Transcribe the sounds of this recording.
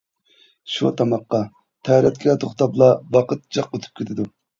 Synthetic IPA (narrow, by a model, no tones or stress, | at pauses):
ʃṵt̪ʰɑmɑqːɑ | t̪ʰɛɾɛt̪̚kʲʰlɛt̪ʰoχt̪ɑplˠɑwɑqʰət̪̚d͡ʒɑqːot̪ʰu̥p̚kʲʰet̪ʰɪd̪u